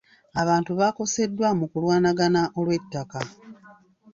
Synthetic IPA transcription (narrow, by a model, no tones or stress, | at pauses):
aβaːntuβako̞se̞dːwamukulwaːnaɡanaʔo̞lwe̞tːaka